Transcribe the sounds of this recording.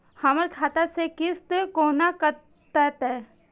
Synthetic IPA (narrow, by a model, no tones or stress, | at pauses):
hɐməɾkʰaːt̪asekɪst̪koːnakə | t̪ət̪ɛ